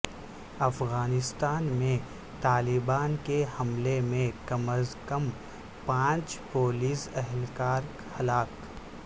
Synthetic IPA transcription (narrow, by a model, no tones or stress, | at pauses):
ɐfɣaːnɪst̪aːnmẽ | t̪aːlɪbaːnkehɐmlemẽkɐməskəm | pãːt͡ʃpoːliːsɛɦlkaːɾ | hɐlaːk